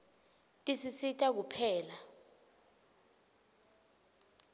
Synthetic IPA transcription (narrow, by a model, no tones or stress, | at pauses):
tʼisisitʼak̬upʰɛːla